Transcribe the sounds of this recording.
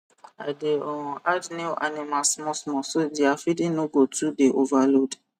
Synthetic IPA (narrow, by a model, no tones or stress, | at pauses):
adeɔ̃adneʔanimasmɔ̃smɔ̃sodiafidĩnõɡotʰudeʔovalod